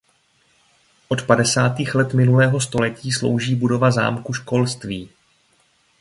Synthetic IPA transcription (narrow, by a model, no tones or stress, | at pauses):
ʔo̞t̪padɛsaːt̪iːxlɛt̪mɪnulɛːɦo̞st̪o̞lɛciːslo̞̰wʒiːbudo̞vaza̰ːmkuʃko̞lst̪viː